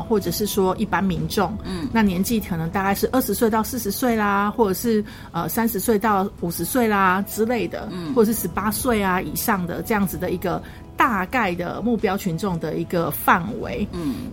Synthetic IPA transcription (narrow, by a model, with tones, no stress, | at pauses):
xwɔ˥˩ʈ͡ʂə˨˩ʂɻ̩˥˩ʂwɔ˥ʔi˥˩pa˦nmi˧˦˥nʈ͡ʂo˥˩ŋna˥˨˩njɛ˧˥nt͡ɕi˥˩kʰɤ˨˩nɤ˧˥ŋt̪a˥˧ka˥˧ɪʂɻ̩˥˧ʔə˥˩ʂɻ̩˧˥swe˥˧ɪt̪ɑ˥˧ʊsɹ̩˥˩ʂ̩˧˥swe˥˩ɪla˩xwɔ˥˩ʈ͡ʂɤ˨˩ʂɻ̩˥˩ | ə˩sa˥˦nʂɻ̩˧˥swe˥˧ɪt̪ɑ˥˩ʊu˨˩ʂɻ̩˧˦swe˥˩ɪla˨ʈ͡ʂɻ̩˥le˥˩ɪd̪ə̰˩wwɔ˥˩ə˨˩ʂɻ̩˥˩ʂ̩˧˥pa˥swe˥˩ɪa˩i˨˩ʂɑ˥˩ŋd̪ə̰˩ʈ͡ʂɤ˥˧jɑ˥˩ŋd͡zɹ̩˨˩d̪ə˩i˧˥ɡə˧ | t̪a˥˧ka˥˩ɪd̪ə̰˩mu˥˩pjɑ˥ʊt͡ɕʰy˧˥nʈ͡ʂo˥˨˩ŋd̪ə˩i˧˥ɡə˧fa˥˩nwḛ˧˦ɪ